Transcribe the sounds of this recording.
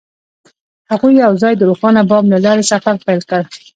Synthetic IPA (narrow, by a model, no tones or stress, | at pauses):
haɣujːawzɑjd̪əɾoxɑnabɑmlalɑɾesafaɾpajlkəɽ